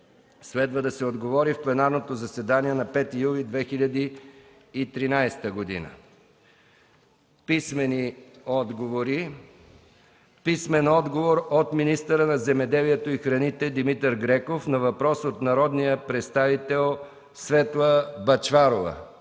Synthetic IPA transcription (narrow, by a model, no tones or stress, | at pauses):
slɛd̪vəd̪ɐsɛod̪ɡovɔɾifplɛnaɾnot̪ozɐsɛd̪aniɛnɐpɛt̪ijulid̪vɛxiʎʲɐd̪iː | t̪ɾinajst̪əɡod̪ḭnə̰ | pismɛniɔd̪ɡovoɾi | pismɛnɔd̪ɡovoɾot̪minist̪əɾənɐzɛmɛd̪ɛliɛt̪oixɾɐnit̪ɛd̪imit̪əɾɡɾɛkofnɐvɐpɾɔsot̪nɐɾɔd̪nijəpɾɛt̪st̪avit̪ɛlˠ | svɛt̪lˠəbɐt͡ʃvaɾovə̰